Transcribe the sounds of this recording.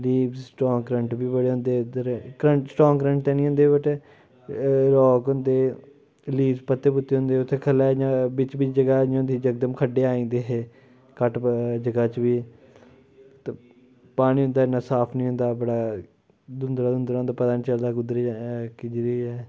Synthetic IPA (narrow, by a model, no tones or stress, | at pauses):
liːpsʈɔːŋkɾəɳʈbiːbəɽeːɦʊ̃nd̪eːɾkɾəɳʈsʈɔːŋkɾəɳʈt̪ẽːnĩːɦʊ̃nd̪eːbəʈ | ɾɔːkɦʊnd̪eː | liːspət̪ːeːbʊt̪ːeːɦʊ̃nd̪eːʊt̪ʰːeːkʰəlɛːãbɪt͡ʃbiːd͡ʒəɡaːõnd̪iːd͡ʒək̚d̪əmkʰəɖeːaːĩːnd̪eːɦeː | kəʈd͡ʒəɡaːt͡ʃbiː | t̪ː | paːɽ̃iːɦʊ̃nd̪aːɪnaːsaːpʰnĩːɦʊ̃nd̪aːbəɽaː | d̪ʊnd̪ɾaːd̪ʊnd̪ɾãːnd̪aːpət̪aːnt͡ʃəld̪aːɡʊd̪ɾekid͡ʒɾiːɛː